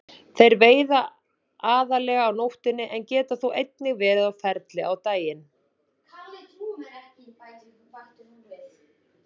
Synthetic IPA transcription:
θejɾveːjða | aːðalɛːɣaːwnowht̪ɪnːɪʔɛncɛːt̪aθuwʔejt̪nɪɣvɛːɾɪðawfɛɾt̪lɪawt̪aːjɪn | kʰa | ɛhca | at̪

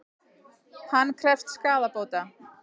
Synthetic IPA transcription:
hanːkʰɾɛft̪skaːðapoːwt̪a

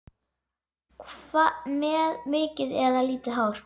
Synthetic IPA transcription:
kʰvamɛːðmʏːcɪðɛðaliːt̪ɪɦawɾ̥

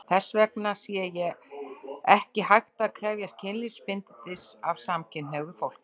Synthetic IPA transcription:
θɛsːvɛknasiɛjɛ | ɛhcɪhajxt̪aːðkʰɾɛvjast̪̚cʰɪnlispɪnt̪ɪt̪ɪsavsamcʰɪnnɛɣðʏfowl̥k

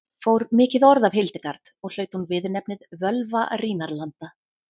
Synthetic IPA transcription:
foːwɾmɪːcɪðɔɾðavɦɪlt̪ɪkaɾt̪ɔɣl̥œːɥt̪hunvɪðnɛp̚nɪðvœlvariːnaɾlant̪a

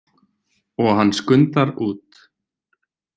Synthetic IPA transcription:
ɔɣɦanːskʏnt̪aɾuːt̪

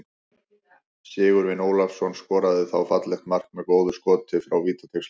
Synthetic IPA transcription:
sɪːɣʏɾvɪnoːwlafsɔnskɔːɾaðɪθawfat̪lɛxt̪mar̥kmɛðkoːwðʏskɔːt̪ɪfɾawviːt̪ḁt̪ʰeks

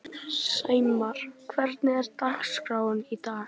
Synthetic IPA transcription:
seːjmaɾ̥kʰvɛɾt̪nɪɛɾt̪akskɾaːwʏnit̪aː

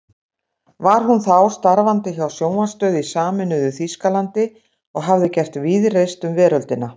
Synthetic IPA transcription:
vaɾ̥hɦunθawst̪aɾvant̪ɪçawsjoːwmast̪œːðɪisaːmɪnʏðʏθiskalant̪ɪ | ɔɣɦavðɪcɛr̥t̪viðrejst̪ʏmvɛːɾœlt̪ɪna

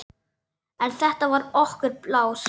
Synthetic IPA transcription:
ɛnθɛht̪avaɾɔhkʏɾplaːws

